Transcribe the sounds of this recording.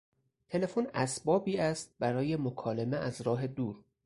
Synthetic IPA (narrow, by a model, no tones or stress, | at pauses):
t̪ʰe̞le̞fonæsbɒːbiːæst̪̚bæɾɒːje̞mokʰɒːlemeʔæzɾɒːɦe̞d̪uːɾ